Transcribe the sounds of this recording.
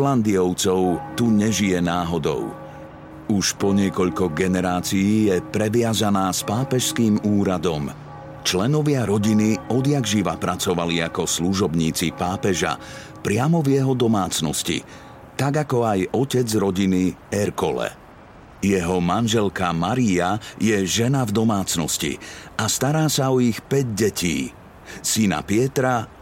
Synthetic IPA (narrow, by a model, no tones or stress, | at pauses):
land̪iɔʊt͡sɔʊt̪uɲɛʒijɛnaːɦɔd̪ɔ̰ʊ | uʃpɔɲɪɛkɔʎkɔɡɛnɛɾaːt͡sijiːjɛpɾɛʋɪazanaːspaːpɛʃskiːmuːɾad̪ɔm | t͡ʃlɛnɔʋɪaɾɔɟiniɔd̪jaɡʒiʋapɾat͡sɔʋaliakɔsluʒɔbɲiːt͡sipaːpɛʒa̰ | pɾɪamɔvjɛɦɔd̪ɔmaːt͡snɔscḭ | t̪aɡakɔajɔcɛd͡zɾɔɟiniɛɾkɔlɛ̰ | jɛɦɔmanʒɛlkamaɾiajɛʒɛnavd̪ɔmaːt͡snɔscḭast̪aɾaːsaɔixpɛɟɟɛcḭː | sina̰pɪɛt̪ɾa